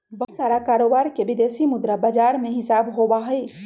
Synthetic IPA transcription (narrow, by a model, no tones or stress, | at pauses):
bɐsaːɾakaːɾoːbaːɾkeʋɪd̪eːsimʊd̪ɾabad͡ʒaːɾmẽɦɪsaːbɦoːbaɦɛe